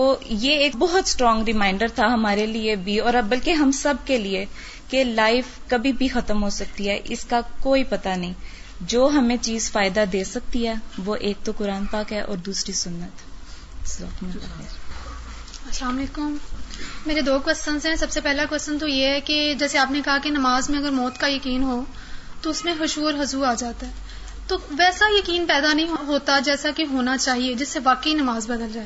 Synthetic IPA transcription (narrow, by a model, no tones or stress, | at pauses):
t̪oːjeeːkbɔɦʊt̪sʈɾɔ̃ːŋɡɾɪmaːɪ̃ɳɖəɾt̪ʰaɦɐmaːɾeliebʱiɔːɾɐbɐlkeɦɐmsɐb̚kelie | kelaːɪfkɐbʱibʱixɐt̪əmɦosɐk̚t̪iɦɛʔɪskakoːipɐt̪anɐɦĩː | d͡ʒoːɦɐmẽt͡ʃiːzfaːɪd̪ad̪eːsɐk̚t̪iɦɛːʋoʔeːk̚t̪okʊɾaːnpaːkɦɛʔɔ̰ːɾd̪uːsɾisʊnːət̪ | sʋɐ̰kmə̃t̪ɦḛɾ | ɐslaːmɐleːkʊmmeːɾed̪oːkʋɛsə̃nsɦɛ̃sɐbsepɛɦlakwɛsə̃nt̪̬ojeɦɛked͡ʒɛːseaːpnekɐɦakenɐmaːzmẽɐɡəɾmɔːt̪kajɐkiːnɦoː | t̪oʊsmẽɦʊʃuːɾɦɐzuːɾaːd͡ʒaːt̪aɦɛː | t̪oːʋɛːsajɐkiːnpɛːd̪anɐɦĩɦoɦoːt̪ad͡ʒɛːsakeɦoːnat͡ʃaːɦied͡ʒɪsːeʋaːkəinɐmaːzbɐd̪əld͡ʒaːe